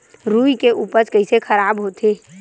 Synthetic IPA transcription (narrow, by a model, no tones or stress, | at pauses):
ɾuːikeʔuːpəɾkəɪisexʰɐɾaːbɦoːt̪ʰeː